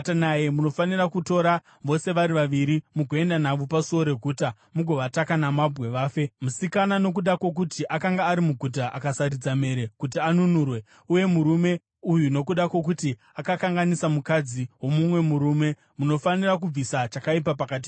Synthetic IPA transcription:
tanajemuno̞fanirakuto̞ɾa | ʋo̞se̞ʋaɾiʋaʋiɾimuɡoe̞ndanaʋopasuo̞ɾe̞ɡʱuːta | muɡʱo̞ʋatakanamabʱɣe̞ʋaːfe̞musikanano̞k̬uɗakwo̞k̬utiʔakaŋɡaːɾimuɡʱut̬aʔakasaɾid͡zame̞ɾe̞kutianunuːrwe̞ | uje̞muɾume̞ | ujuno̞kuɗakwo̞k̬uti | akakaŋɡanisamukad͡ziwo̞mumwe̞muɾume̞ | muno̞fanirak̬ub͡visat͡ʃakaipapakat̬i

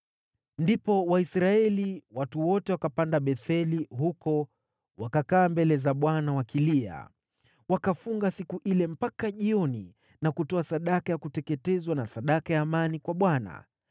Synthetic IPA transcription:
ndipɔwaisɾaɛliwatuwɔtɛwakapandaɓɛθɛlihukɔ | wakakaːmbɛlɛzaɓwanawakilia̰ | wakafuŋɡasikuʔilɛm̩pakaʄiɔnḭ | nakutɔasaɗakajakutɛkɛtɛzwanasaɗakajaːmanikwaɓwana̰

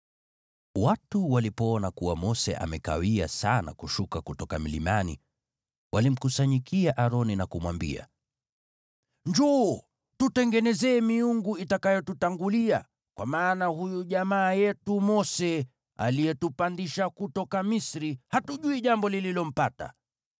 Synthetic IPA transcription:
watuwalipɔɔnakuwamɔsɛ̰ʔa̰mɛka̰wia̰sana̰kuʃukakutɔkamilḭmanḭ | wʔalim̩kusaɲikʰiaʔaɾɔninakumwambḭa̰ | ɲd͡ʒu | tutɛŋɡɛnɛzɛːmiuŋɡuitakajɔtutaŋɡulia | kwamaːnahujuʄamaːjɛtumɔsɛ | a̰lijɛtupandiʃakutɔkamisɾihatuʄuiʄambɔlililɔm̩pata̰

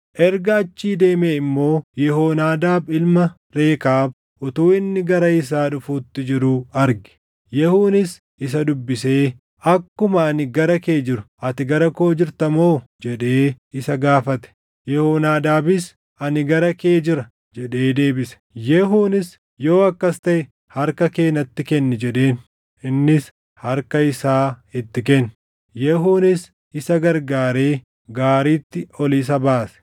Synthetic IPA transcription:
ʔɛɾɡɐːt͡ʃːiːd̪e̞ːmeːɪmːo̞ːjɛhoːnaːd̪aːbɪlmɐ | ɾe̞ːkaːb | ʔʊt̪uːɪnːɪɡɐɾɐɪs̬aːᶑʊfuːt̪ːɪd͡ʒɪɾuɐɾɡɪ̥ | jɛhuːnɪs | ɪs̬ɐd̪ʊbːɪseː | ɐkːʊmɐːnɪɡɐɾɐke̞ːd͡ʒɪɾʊ̥ | ɐt̪ɪɡɐɾɐko̞ːd͡ʒɪɾt̪ɐmo̞ːd͡ʒɛᶑe̞ː | ɪsɐɡaːfɐt̪ɛ̥ | jɛhoːnaːd̪aːbɪs | ɐnɪɡɐɾɐke̞ːd͡ʒɪɾɐ | d͡ʒɛᶑe̞ːd̪e̞ːbɪsɛ̥jɛɦuːnɪs | jo̞ːɐkːɐst̪ɐʔɛ | hɐɾkɐke̞ːnɐt̪ːɪkɛnːɛd͡ʒɛᶑe̞ːn | ɪnːɪs | hɐɾkɐɪsaːɪt̪ːɪkɛnː | jɛɦuːnɪs | ɪsɐɡɐɾɡaːɾe̞ː | ɡaːɾiːt̪ːɪɔlis̬ɐbaːsɛ̥

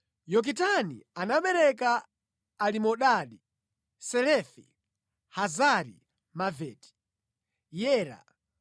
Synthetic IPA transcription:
jɔk̬itanḭanaɓɛɾɛkaː | limɔɗaɗi | sɛɾɛfḭ | hazaɾḭ | mavɛti̥ | jɛːɾa̰

